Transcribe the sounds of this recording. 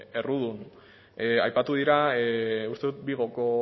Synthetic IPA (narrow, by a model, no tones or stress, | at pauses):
e̞ruð̞un | eajpat̪uð̞iɾa | ust̪e̞ðut̪biɣ̞o̞ko